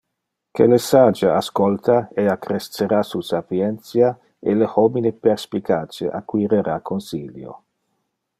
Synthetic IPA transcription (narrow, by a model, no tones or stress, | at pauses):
kelesad͡ʒaaskolt̪ʰaeakɾest̪t͡seɾasusapjɛnt̪sja | ḛlehominepeɾspikʰaːt͡ʃeʔa̰kwiɾeɾakʰonsiljo̰